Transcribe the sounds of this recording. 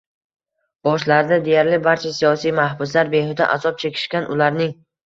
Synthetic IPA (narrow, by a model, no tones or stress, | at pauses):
b̥ɒʃlaɾnad̪e̞jaɾlɪbaɾt͡ʃʰasijɒsijmahbʊs̬laɾbe̞hɪd̪a̰ʔazɒp̚t͡ʃʰe̞kʲʰɪ̥ʃkʲanʔʊlaɾnɪŋ